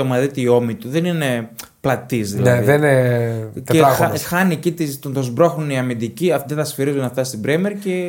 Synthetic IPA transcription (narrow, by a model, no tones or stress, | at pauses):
omɐðit̪iio̞mit̪uðenine̞ | plɐt̪izðḭlɐneðene | eelɐɐxɐniecit̪ist̪ont̪ozbɾo̞xoniɐmind̪iciɐfd̪et̪ɐsfiɾizunɐft̪ɐst̪ibɾemeɾce̞